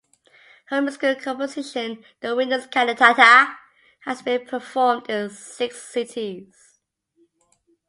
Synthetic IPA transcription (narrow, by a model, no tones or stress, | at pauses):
hə̃ʊ̃mskulˠkʰɒ̃mpətʰɪʃə̃n | ðəwɪ̃ndəʊz̥kʰanətʰatə | həzbĩnpʰəfɔːmdɪ̃nsɪksɪtʰiz̥